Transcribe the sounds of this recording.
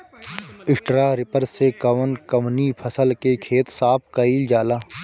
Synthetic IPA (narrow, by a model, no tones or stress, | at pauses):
ɪsʈɾaːɾɪpəɾsekɐʋənkɐmnipʰəsəlkekʰeːt̪saːp̚ʰkɐiːld͡ʒaːlaː